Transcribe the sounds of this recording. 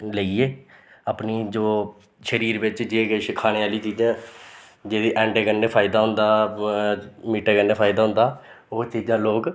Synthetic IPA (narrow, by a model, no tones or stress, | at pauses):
ləiːeː | əpniːd͡ʒoː | ʃəɾiːɾʋɪt͡ʃd͡ʒeːɡeʃkʰaːñeːaːliːt͡ʃiːd͡ʒãː | d͡ʒeːd̪iːʔɛ̃ːɳɖeːɡənːeːpʰaːɪd̪aːɦʊnd̪aː | miːʈeːɡənːeːpʰaːɪd̪aːɦʊ̃nd̪aː | oːt͡ʃiːd͡ʒãːloːk